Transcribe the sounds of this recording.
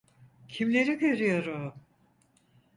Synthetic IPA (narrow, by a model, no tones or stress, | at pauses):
cʰimlʲe̞ɾiɡø̞ɾyjo̞ɾu